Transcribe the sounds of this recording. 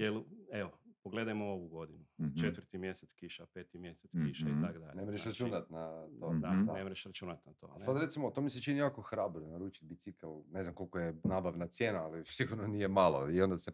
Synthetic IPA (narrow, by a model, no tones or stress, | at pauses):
jeleʋopoɡle̞d̪ajmooʋuɡo̞d̪inut͡ʃet̪ʋɾt̪imjeset̪skiʃapeːt̪imjeset̪skiʃait̪akd̪a̰ʎnemɾeʃʃɾat͡ʃunat̪naod̪aanemɾeʃɾat͡ʃunat̪nat̪o̰asad̪ɾe̞t̪simot̪omiset͡ʃinijaːkoxɾaːbɾonaɾuːt͡ʃi̥t̪̚bit̪sikalˠneznamko̞lʲkojenaːbaʋnat̪sjeːnaalisiɡuɾnonije̞malˠo̞̰io̞nd̪ase